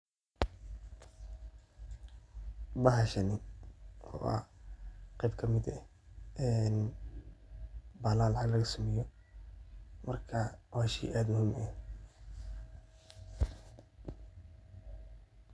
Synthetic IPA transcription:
bɐɦɐʃɐnɪ | ɔ̰ːɐ̰ | qɛjbkʰɐmɪd̪ɛ | ɛn | baːlaːlɑʕɑɡlɐɣɐsʊmɛjɔ | mɐrkʰɐwaːʃḭːʔaːd̪mʊhiːmɛ

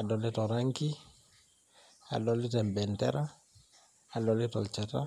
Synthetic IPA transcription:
adɔlitɔɾaŋki | a̰lɔlitɛmbɛntɛ̰ɾʔa | alɔlitɔlt͡ʃɛta̰

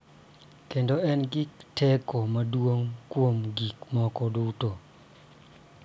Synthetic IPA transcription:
kendoɛnɡiktʰɛkomadwoŋkwomɡikmɔkɔduto

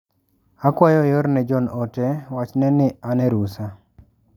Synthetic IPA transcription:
akwajɔjɔɾnɛd͡ʒɔnɔtɛwat͡ʃnɛnɪanɛɾusa

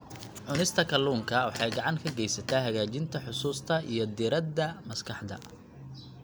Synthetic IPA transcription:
ʕʊnɪst̪ʰɐkʰɐluːŋkʰɐwɑħɑjɡɑʕɑŋkʰɐɡɛjsɐt̪ʰaːɦɐɣaːt͡ʃɪnt̪ʰɐħʊsuːst̪ʰɐḭjɞd̪ɪɾɐd̪ɐmɐskʰɑħd̪ɐ̰

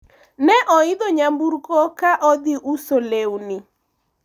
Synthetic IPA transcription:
nɛʔɔɪd̪oɲambuɾkɔkaʔɔd̪ɪʔusolewnɪ

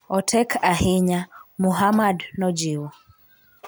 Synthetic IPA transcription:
ɔtʰɛkʰaɦiɲamuɦamadnɔd͡ʒiwɔ

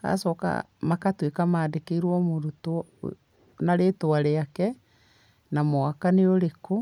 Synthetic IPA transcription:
a̰sɔka̰makatwekamaːdekeiɾwɔmoɾuto | naɾetoaɾeakɛ | namoakaneoɾeko

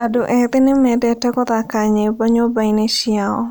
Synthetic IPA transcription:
adoʔɛd̪ɪnɪmɛdɛtɛkɔd̪akaɲebaɲɔbajneʃɪaɔ̰

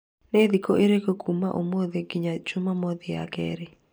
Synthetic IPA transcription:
ned̪ikoʔeɾekoɡumaʔomoðeɡɪɲat͡ʃʊmamɔðɪa̰ɡɛ̰ɾɪ

